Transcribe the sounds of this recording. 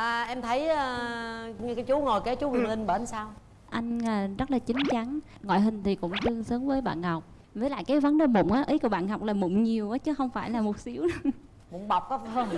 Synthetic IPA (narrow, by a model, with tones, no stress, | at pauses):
ʔəː˨˩ʔɛ˧mt̪ʰə˨˦jəː˨˧˩ | kaː˨˦jt͡ɕu˨˦ŋo˨˩jke˨˦t͡ɕu˨˦ŋɨ˨˩ŋhï˨˩ŋɓəː˧˩˧nsaː˧w | ʔa˧jŋ̟əː˨˩zə˦˥t̚laː˨˩t͡ɕï˨˦ŋ̟t͡ɕa˨˦ŋ | ŋɔ̰˧˨jɦï˨˩ŋ̟t̪ʰi˨˩kʊ̰˧˥ŋ͡mt̪ɨ˧əŋsəː˨˦ŋ͡mvəː˨˦jɓa̰ː˧˨nhɔ˨˩wk͡p̚ | vəː˨˦jla̰ː˧˨jkaː˨˦jvə˨˦nɗəː˨˩mo̰˧˨ŋ͡mʔaː˨˦ʔi˨˦jku˧˩əɓa̰ː˧˨nhɔ˨˩wk͡p̚laː˨˩mʊ̰˧˩ŋ͡mɲi˨˩əwʔaː˨˦t͡ɕɨ˨˦xə˧wŋ͡mfaː˧˩jlaː˨˩mo˨˩t̚si˨˦əw | mʊ̰˧˩ŋ͡mɓa˨˩wk͡p̚kɔ˨˦˧